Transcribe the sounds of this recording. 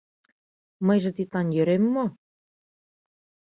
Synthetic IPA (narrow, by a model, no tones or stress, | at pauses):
məjʒə̆t̪it̪ɑnjø̆ɾemːo